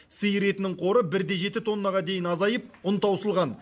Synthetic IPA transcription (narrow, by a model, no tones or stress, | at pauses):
səjɾe̞t̪ɪnɪŋɴqʰo̞ɾəbɪɾd̪e̞ʒe̞t̪ɪt̪ʰo̞nːɑʁɑd̪e̞jɪnɑzɑjəp̚ʊnt̪ɑwsəlˠʁɑn